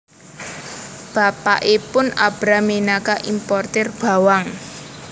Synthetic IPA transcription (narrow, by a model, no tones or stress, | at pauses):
b̥a̤pa̰ʔepʊna̰b̥ɾamenakaʔimpɔrt̪ɛrb̥a̤waŋ